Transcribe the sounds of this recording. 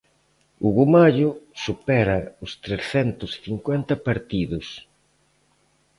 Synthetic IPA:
ʊɣumaʎʊsupɛɾɐʊst̪ɾesθɛnt̪ʊsθiŋkwɛnt̪ɐpaɾt̪iðʊs

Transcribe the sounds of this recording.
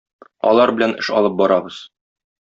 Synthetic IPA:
ɒ̰lˠɑɾbɘ̆lænɘ̰̆ʃɒlˠɤp̚bɒɾɑbɤz̥

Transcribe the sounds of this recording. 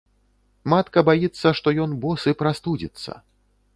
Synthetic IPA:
mat̪kɐbajit̪sːɐʂt̪ɔjɔnbɔsɨpɾast̪ud͡zʲḭt̪sːɐ̰

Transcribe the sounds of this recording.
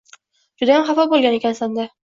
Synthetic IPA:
d͡ʒʊd̪ahamχafɒbolɡʲanekʲansand̪a

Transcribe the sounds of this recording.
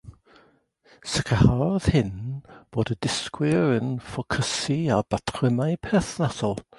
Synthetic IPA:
səkʰəhað̥hɪnb̥oːdədɪskwɪɾənfɔkʰəsiab̥atʰɪmaɨpʰɛθnasɔlˠ

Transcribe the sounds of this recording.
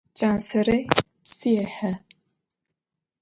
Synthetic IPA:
t͡ʃʼaːnsɐre | psijɛħɐ

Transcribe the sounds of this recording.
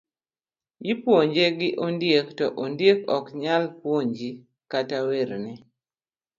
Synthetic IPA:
jɪpwoɲd͡ʒeɡɪʔondjektɔʔondjekɔkɲalpwoɲd͡ʒi | kataweɾnɛ

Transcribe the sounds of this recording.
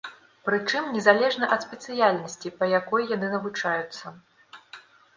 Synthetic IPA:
pɾɨt͡ʂɨmnʲɛzalʲɛʐnɐʔɐt̪sʲpʲɛt̪sɨjalʲnɐsʲt͡sʲipɐjakɔjːjanɨnɐvut͡ʂajut̪sːɐ

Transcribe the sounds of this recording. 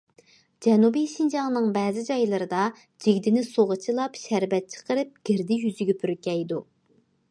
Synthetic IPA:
d͡ʒɛnubijʃind͡ʒɑŋnɨŋbɛːzɪd͡ʒɑjlˠɨɾɨd̪ɑ | d͡ʒiɡʲd̪ɪnɪsoʁət͡ʃʰilˠɑpʃæɾvɛt̪̚t͡ʃʰə̥qəɾɨp̚ɡ̥ʲɪɾd̪ɪjyzɪɡʲɛpʰyɾkʲɛjd̪u

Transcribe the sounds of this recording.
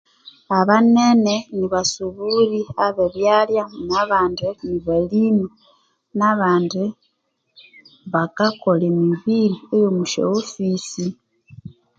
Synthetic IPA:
aβaneneniβasuβuɾiaβeβjaljanaβaːndeniβalini | naβaːnde | βakakolemiβiɾiejomuʃḛofisi

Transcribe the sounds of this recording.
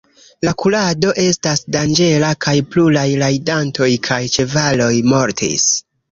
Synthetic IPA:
lakulado̞ʔe̞stasdand͡ʒe̞lakajplulajlajdanto̞jkʰajt͡ʃe̞valo̞jmo̞ɾtʰḭs

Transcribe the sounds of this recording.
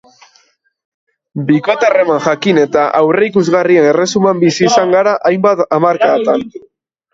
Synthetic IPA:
bikot̪are̞manʝakine̞t̪aʔawre̞ikuzɣariene̞re̞sumambisiːsaŋɡaɾaʔajmbat̪amaɾkakt̪an

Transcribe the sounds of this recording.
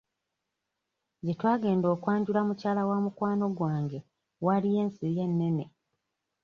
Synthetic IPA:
ɟetwaːɡe̞ːndo̞ːkwaːɲɟulamucaːlawamukwaːno̞ɡwaːŋɡe̞ | walije̞ːnsije̞nːe̞ne̞

